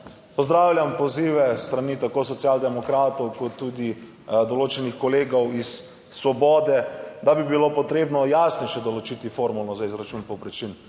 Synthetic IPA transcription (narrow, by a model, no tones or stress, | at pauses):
pɔzd̪ɾaːwlʲjampɔziːʋɛst̪ɾanit̪akoːs̬ɔt̪sjaːld̪ɛmɔkɾaːt̪ɔwkɔt̪ːuːd̪i | d̪ɔloːt͡ʃɛnixkɔleːɡɔwisː | ʋɔbɔːd̪ɛd̪abibilopɔt̪ɾeːbnɔjaːsnɛjʃɛd̪ɔlɔt͡ʃit̪ifoːɾmulnɔzaizɾat͡ʃuːnpɔpɾɛt͡ʃin